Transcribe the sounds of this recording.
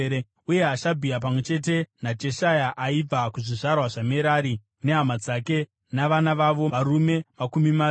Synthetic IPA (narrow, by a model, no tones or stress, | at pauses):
uje̞aʃabʱiap̬amwe̞t͡ʃe̞t̬e̞nad͡ʒe̞ʃajaʔaib͡vakuʐiʐarwaʐameɾaɾi | neɦamad͡zake̞ | naʋanaʋaʋo̞ʋaɾume̞makumima